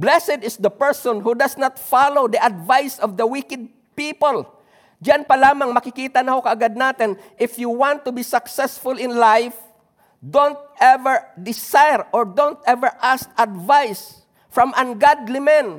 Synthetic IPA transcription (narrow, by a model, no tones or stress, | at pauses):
blɛsɛd̪ɪsd̪ɐpɛɹsɔ̃nhud̪ɐsnat̪falowd̪ɐʔɐd̪vajsɔvd̪ɐwikɪd̪̚ | piːpol | d͡ʒanpɐlaːmaŋmɐkɪkiːt̪ɐnɐhokɐʔːɡad̪̚naːt̪ɪn | ʔɪfjuwant̪ːʊbisɐksɛsfʊlɪ̃nlajf | d̪ont̪̚ɛvɛɹd̪ɪsajɹɔɹd̪ont̪ɛvɛɹʔast̪ɐd̪vajs | fɹɐmʔanɡad̪limɛ̃n